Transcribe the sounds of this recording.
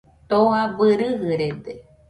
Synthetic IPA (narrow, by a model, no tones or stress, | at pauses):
t̪oabɨɾɨɦɨɾed̪e